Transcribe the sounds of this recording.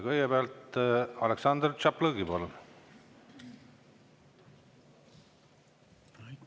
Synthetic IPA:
kɤjɡebeɑlt̪ɑleksɑnd̪rt͡ʃɑplɤɡipolun

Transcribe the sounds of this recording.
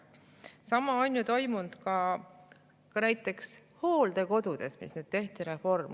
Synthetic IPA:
sɑmɑonʲjut̪o̞jmund̪̥kɑ | kɑnæjt̪ːˑe̞ksho̞ːld̪̥e̞ko̞d̪ud̪̥e̞smḭsnyd̥̪̚t̪e̞ht̪iɾe̞fo̞rm

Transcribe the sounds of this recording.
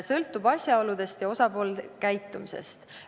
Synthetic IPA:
sɤlt̪ːˑubɑsʲjɑo̞lud̪̥e̞st̪jɑo̞sɑpo̞ːlkæjt̪ːˑumise̞̰st̪

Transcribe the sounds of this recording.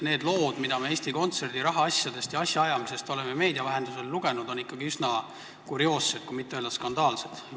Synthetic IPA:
ne̞ːd̪lo̞ːd̪̥mid̪̥ɑmee̞ːst̪iko̞nt̪se̞rd̪̥iɾɑɦɑɑsjɑd̪̥e̞st̪jɑɑsjɑɑjɑmise̞st̪o̞le̞meme̞ːd̪iɑvæɦe̞nd̪use̞lːuɡ̥e̞nud̪o̞nikːˑɑɡiysnɑ | kuɾio̞ːsːet̪̚kujmit̪ːeøːld̪ɑskɑnd̪ɑːlse̞d̪̥

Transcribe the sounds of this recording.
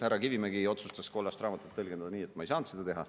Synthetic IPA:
hæɾɑkivimeɡio̞t̪sust̪ɑsko̞lːɑst̪rɑːmɑt̪ːˑut̪ːelɡend̪ɑd̪ɑniːe̞t̪ːˑmɑejsɑːnt̪sed̪ɑt̪e̞ɦɑ

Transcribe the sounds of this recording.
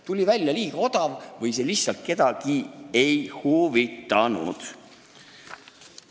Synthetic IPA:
t̪ulʲivælʲjɑliːɡ̥ɑo̞d̪̥ɑvvɤjs̬e̞lihssɑlt̪̚ke̞d̪̥ɑɡie̞jhuvit̪ːˑɑnṵd̪̥

